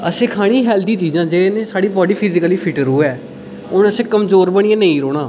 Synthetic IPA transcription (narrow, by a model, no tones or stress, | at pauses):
əsẽːkʰaːɽ̃iːɦɛːld̪iːt͡ʃiːzãːd͡ʒeːeːnẽːsaːɽiːbɔːɖiːpʰɪzɪkəliːpʰɪʈəɾuːɛː | ʊnəsẽːkəmzoːɾbəɽ̃ɪãːnẽĩːɾoːɽ̃aː